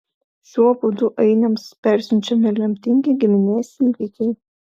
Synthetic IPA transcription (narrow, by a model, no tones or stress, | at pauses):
ʃʲuɔpʊd̪ʊʔɛɪnɐmspʲæˑɾʲsʲʊnʲt͡ʃʲɛmʲɪlʲɛmʲt̪ʲɪŋʲɡʲɪɡʲɪmʲɪnʲeːsʲnʲiʋʲikʲɛɪ